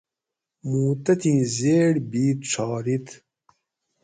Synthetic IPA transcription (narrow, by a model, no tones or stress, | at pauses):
muːt̪ɐt̪ʰĩːzeːɽbiːt̪̚ʈ͡ʂʰɑːɾit̪